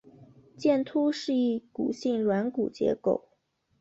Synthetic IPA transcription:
t͡ɕjɛ˥˩nt̪ʰu˥ʂɻ̩˥˧i˥˩kṵ˨˩ɕi˥˩ŋlwa˧˥nkṵ˨˩t͡ɕjɛ̰˧˥ko˨˩˦ʊ

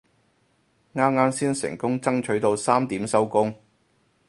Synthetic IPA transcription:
ŋaː˥mŋaː˥msiː˥nsɪ̰˨˩ŋkʊ˥ŋt͡sɐ˥ŋt͡ʃʰɵ˨˥ɥt̪o˧wsaː˥mt̪iː˨˥msɐ˥wkʊ˥ŋ

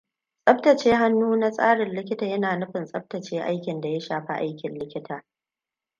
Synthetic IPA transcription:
sʼɐ˦ɸtɐ˨t͡ʃeː˦ɦa˦nːuː˦na˦sʼa̰ː˦ɽɪ˨nlɪ˦kʲɪ˦taː˨jɐ˦naː˨nʊ˦ɸɪ˨nsʼɐ˦ɸ̚tɐ˨t͡ʃeː˦ʔa˦jkʲɪ˨nda˨ja˦ʃaː˨ɸa̰˦ʔa̰˦jkʲɪ˨nlɪ˦kʲɪ˦tʰaː˨

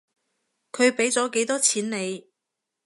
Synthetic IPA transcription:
kʰɵ˨˧ɥpe˨˥jt͡sɔː˨˥ke˨˥jt̪ɔː˥t͡sʰiː˨˥nne˨˧j

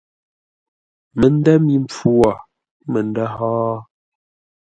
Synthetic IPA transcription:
mə˨n˦dɛ˦mi˦˨ɱp͡fu˦a˨ | mə˨n˦da˦hɔː˦

